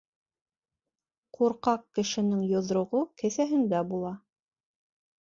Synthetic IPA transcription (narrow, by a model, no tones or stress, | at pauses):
quɾqɑq̚kɘ̆ʃɘ̆nɘŋjŏðɾŏʁokɘ̆θæɦɘ̆nd̪æbulˠɑ